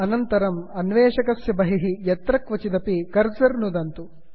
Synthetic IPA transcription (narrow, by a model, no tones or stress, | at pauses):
ɐnɐnt̪ɐɾɐmɐnʋeːʃɐkɐsjɐbɐɦiɦijɐt̪ɾɐkʋɐt͡ʃid̪ɐpikɐɾd͡ʒɐɾnud̪ɐnt̪u